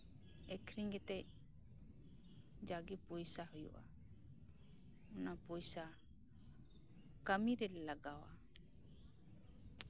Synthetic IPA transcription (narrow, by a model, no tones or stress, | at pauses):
ɛkʰɾiŋɡɛt̪ɛʔ | d͡ʒaɡipɔjsaɦɔjṵʔa | ɔnapɔjsa | kəmiɾɛɛlaɡawa̰